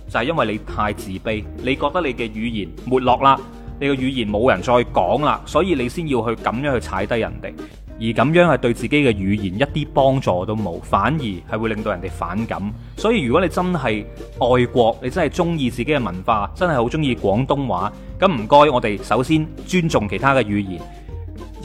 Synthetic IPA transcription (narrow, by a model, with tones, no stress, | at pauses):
t͡sɐ˨whɐ˨jɐ˥nwɐ˨jle˨˧jt̪ʰaː˧jt͡siː˨pe˥jle˨˧jkɔː˧k̚t̪ɐ˥le˨˧jkɛː˧jyː˨˧jiː˨˩nmuː˨˩t̚lɔː˨k̚laː˧ | ne˨˧jkɛː˧ɥyː˨˧jiː˨˩nmo˨˧wjɐ˨˩nt͡ʃɔː˧jkɔ̰ː˨˥ŋla̰ː˧sɔː˨˥jiː˧le˨˧jsiː˥njiː˧wɦɵ˧ɥkɐ˨mjœː˥ŋhɵ˧t͡sʰaː˨˥jt̪ɐ˥jɐ̰˨˩nt̪ḛ˨j | jiː˨˩kɐ˨˧˥mjœː˨˥ŋhɐ˨jt̪ɵ˧ɥt͡siː˨ke˨˥jkɛː˧ɥyː˨˧jiː˨˩njɐ˥t̚t̪iː˥pɔː˥ŋt͡sɔː˨˩t̪o˥wmo̰˨˧wfaː˨˥njiː˨˩hɐ˨jwuː˨˧lɪ˨ŋt̪o˧wjɐ˨˩nt̪e˨jfa̰ː˨˥nkɐ̰˨˥m | sɔː˨˥jiː˧jɥy˨˩kɔ˨˥ne˨˧t͡sɐ˥nɦɐ˨jʔɔː˨jkʷɔː˧k̚ne˨˧jt͡sɐ˥nhɐ˨˩jt͡sʊ˥ŋjiː˧t͡siː˨ke˥kɛː˧mɐ˨˩nfaː˧t͡sɐ˥nhɐ˨jho˨˥wt͡sʊ˥ŋjiː˧kʷɔː˨˥ŋt̪ʊ˥ŋwaː˨˥ | kɐ˨˥m̩˨˩kɔː˥jŋɔː˨˧t̪e˨jsɐ˨˥wsiː˥n | t͡ʃyː˥nt͡sʊ˨ŋkʰe˨˩jt̪ʰaː˥kɛ˧jyː˨˧jḭː˨˩n